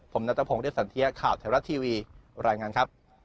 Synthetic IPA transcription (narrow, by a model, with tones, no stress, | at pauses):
pʰo˩˦mna˦˥t̪ːpʰoː˧˩˦ŋɾi˥˩sa˨˩˦nt̪ʰi˦˥ja˦˥kʰaː˨˩wt̪ʰaː˩˦ɾa˦˥t̪ʰːiː˧wiː˧ɾaː˧jŋaː˧nkʰa˦˥p̚